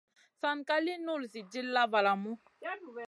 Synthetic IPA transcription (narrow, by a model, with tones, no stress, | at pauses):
sa˨nkʼa˦li˦nu˦˨lsi˨d͡ʒi˦lːa˦va˨la˨mu˦